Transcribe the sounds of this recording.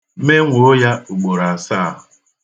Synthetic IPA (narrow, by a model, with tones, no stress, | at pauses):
me˦ŋʷo˨˦ja˦u˨ɡ͡bo˨ɾa˨a˨saː˦˨